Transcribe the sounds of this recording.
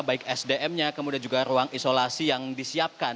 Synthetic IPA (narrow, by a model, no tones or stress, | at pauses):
baɪkɛsdeʔɛmɲakəmudiand͡ʒuɡaɾuaŋisolasijaŋdisiap̚ka